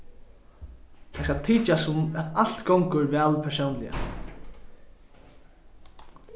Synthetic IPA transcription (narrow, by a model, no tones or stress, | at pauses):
t̪ʰajskalt̪ʰiːt͡ʃasʊmat̪alt̪ɡowŋkəɾvɛːlpʰɛsownlɪja̰